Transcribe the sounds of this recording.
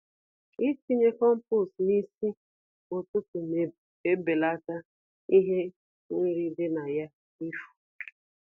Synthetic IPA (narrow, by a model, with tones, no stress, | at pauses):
i˦t͡ʃi˦ɲe˦kɔ˦m̩˦pu˦˨sni˦si˦ | o˨tʊ˦pʊ˨ | e˦be˨la˦ta˦ | i˦ɦe˦ | ni˦ɾi˦dɪ˦na˨ja˦ | i˦fu̥˨